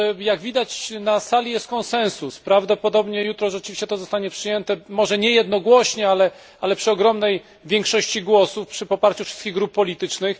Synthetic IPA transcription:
jaɡvʲid̪at͡ɕnasalʲijɛst̪kɔnsɛ̃ñsuspɾavd̪ɔpɔd̪ɔbɲɛjut̪ɾɔʐɛt͡ʂɘvʲiɕt͡ɕɛt̪ɔzɔst̪aɲɛpʂɘjɛnt̪ɛmɔʐɛɲɛjɛd̪nɔɡwɔɕɲɛalɛ | alɛpʂɨɔɡɾɔmnɛj | vʲjɛŋkʂɔɕt͡ɕiɡwɔsufpʂɘpɔpaɾt͡ɕufʂɘst̪kʲiɣɡɾupːɔlʲit̪ɘt͡ʂnɘx

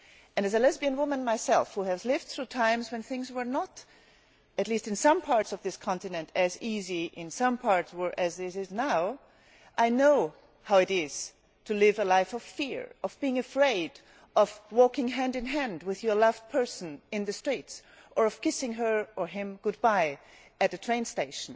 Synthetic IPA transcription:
ɨ̃nɨzɨlɛzbiɨ̃nwʊmə̃nmaɪsɛlˠfhuɨzlɪvd̥̪̚θɹutʰãɪ̃mzwɨ̃nθɪ̃ŋzwə˞nəɾ | ɨtˡlistɨ̃nsʌ̃mpʰɑɹtsʌvðɪskʰɑ̃ntɨnɨ̃ntʰɨziziʔɪ̃nsʌ̃mpʰɑɹtswə˞ʔɨzðɪɾɪznaʊ | ʔaɪnoʊ | haʊɨɾɪz̥ | tʰɨlɪvəlaɪfʌv̥fɪɹʔʌvb̥iɪ̃ŋɨfɹeɪɾ | ʔʌvwɔkɪ̃ŋɦæ̃ndɨ̃nɦæ̃nd̚wɨðjə˞lʌv̚pʰɜ˞sn̩ɨ̃nðɨstɹ̥its | ʔə˞ʌv̥kɪsɪ̃ŋə˞ə˞ɪ̃mɡ̥ʊd̚baɪ | ɨt̪̚ðɨtʰɹ̥ẽɪ̃nsteɪʃn̩

